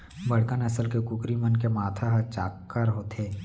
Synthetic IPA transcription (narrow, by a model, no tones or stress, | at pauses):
bɐɽkənəsəlkekʊkɾimənkemaːt̪ʰaɦt͡ʃaːkːəɾɦot̪ʰeː